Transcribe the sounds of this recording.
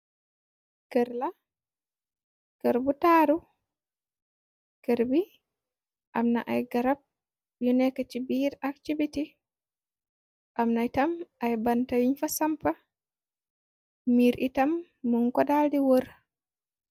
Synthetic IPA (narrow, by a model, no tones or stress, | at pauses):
kəɾla | kəɾbutaːɾu | kəɾbi | ʔamna̰ʔajɡaɾab̚ | jɔnɛkat͡ʃibiɾak̚tibiti | ʔamnajtamʔajbantawiɲfasampa | miɾʔitamː | uŋkɔdadiwoɾ